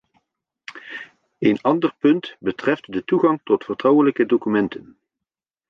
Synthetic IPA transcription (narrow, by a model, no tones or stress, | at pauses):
ejnɑndərpɵntbətrɛftdətuχɑŋtɔtfərtrɑwələkədokymɛntʰən